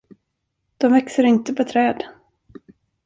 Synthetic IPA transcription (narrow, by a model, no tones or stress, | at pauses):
d̪̥ɔmvɛksəɾɪnt̪əpʰɔt̪ʰɾɛːd̪